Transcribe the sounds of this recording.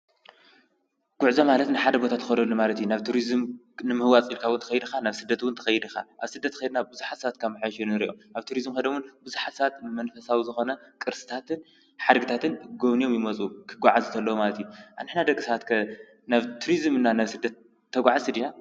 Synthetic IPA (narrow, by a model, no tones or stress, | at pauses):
ɡ̥ʊʕzamalɐt̪nɨħad̪ɐbo̞t̪ʰat̪ʰːɨkɐd̪ɐlːumalɐt̪junaβt̪ʰuɾizɨm | nɨmɨhɨwat͡sʼilkʰawʊnt̪ʰɐ̥xɐjd̪ɨxanaβsɨd̪ːɐt̪wʊnt̪ʰɐ̥xɐjɪd̪ɨxa̰ʔaβsɨd̪ːɐt̪ʰːɨxɐjd̪nabɨzuħat̪sat̪̚kʰamɨħaʃunnɨɾḭʔomʔaβt̪ʰuɾizɨmkɐd̪ɐwʊnbɨzuħat̪sat̪mɐnfɐsawizɨxo̞nɐkʼɨɾsɨ̥t̪ʰat̪ɨn | ħad̪ɡɨt̪ʰat̪ʰɨnɡoβnijo̞mjɪmɐt͡sʼukʰɨɡʷaʕazɨt̪ʰɐlːɐwomalɐt̪ʰijuʔanɨħnad̪ɐkʼːisɐβat̪kʰɐ | naβt̪ʰuɾizɨmɨnːanaβsɨd̪ːɐt̪̚ʰː | ɐɡʷaʕazɨd̪ina